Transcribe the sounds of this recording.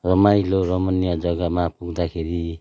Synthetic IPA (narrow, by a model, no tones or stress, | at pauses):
rʌmajloɾʌmʌnijʌd͡zʌɡamapuɡd̪akʰeɾi